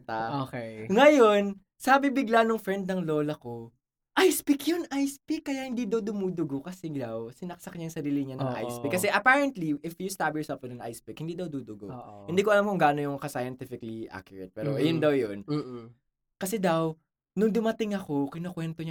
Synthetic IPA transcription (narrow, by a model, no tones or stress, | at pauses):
t̪aokeŋɐjo̞n | sɐbibɪɡlanoŋfɹɛnd̪̚nɐŋlo̞ːlɐko̞ | ʔajspɪkjʊnʔajspɪkːɐjaʔhɪnd̪iːd̪ɐwd̪ʊmud̪ʊɡokɐsɛd̪ɐwsɪnɐksɐkɐɲajŋsɐɾiːlɪɲanɐŋʔa̰jsɪkːɐsɛʔɐpaɹɛnt̪liʔɪfjust̪abɛsɐmpɪnɐŋʔa̰jspɪkhɪnd̪iːd̪ɐwd̪ud̪ʊɡohɪnd̪iːkoɐlamkʊŋɡaʔnojʊŋkɐsajɐnt̪ɪfɪkɐliʔa̰kjʊɹɛt̪̚pɛːɾojʊnd̪ɐwjon | kɐsɛd̪ɐw | nʊŋd̪ʊmɐt̪ɪŋɐko̞kɪnokwɛnt̪oɲa